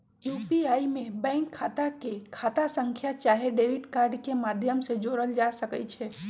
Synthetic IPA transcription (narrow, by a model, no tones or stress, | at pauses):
juːpiaːimẽbɛ̃ːŋkʰːaːt̪akekʰaːt̪asə̃ŋkʰjat͡ʃaːɦeɖeːʋɪʈkaːɾɖkemaːd̪ʱjəmsed͡ʒoːɾəld͡ʒaːsəkət͡ʃʰɛː